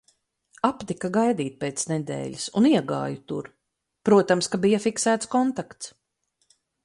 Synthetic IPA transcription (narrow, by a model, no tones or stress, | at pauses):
apt̪ikaɡajd̪iːt̪̚peːt̪snɛd̪ɛ̰ːʎʲisṵniɛɡa̰ːjut̪ṵɾ | pɾuɔt̪amskabijafiksæːt̪skɔnt̪akt̪s